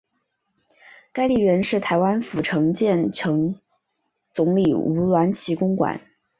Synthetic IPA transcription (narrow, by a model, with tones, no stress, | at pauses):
ka˥ɪli˥˩ɥɛ˧˥nʂɻ̩˥˩t̪ʰa˧˥ɪwa˥nfu˨˩ʈ͡ʂʰɤ˧˥ŋt͡ɕjɛ˥˩nʈ͡ʂʰɤ˧˥ŋ | t͡sʊ˧˥ŋli˨˩u˧˥lwa˧˥nt͡ɕʰi˧˥kʊ˥ŋkwa̰˨˩˦n